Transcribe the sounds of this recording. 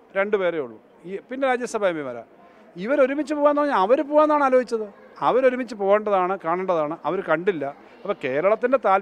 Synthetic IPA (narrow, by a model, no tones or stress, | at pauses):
ɾe̞ɳɖupe̞ːrejuɭːṵ | iːpinːe̞ɾaːd͡ʑjɐsɐbʱaːjɐmbimɐɾɐ̰ | iʋɐɾo̞ɾumit͡ɕːɨpoːɣanoɐɲːaɐʋɐɾup̬oːɣaːnːaːɳaːloːɡit͡ɕːɐðɨɐʋɐɾo̞ɾumit͡ɕːɨpo̞ːɣeɳɖɐðaːɳɨkaːɳɐɳɖɐðaːɳɨʔɐʋɐɾukɐɳɖilːɐ | ɐpːɐke̞ːɾɐɭɐt̪ːinde̞t̪aːl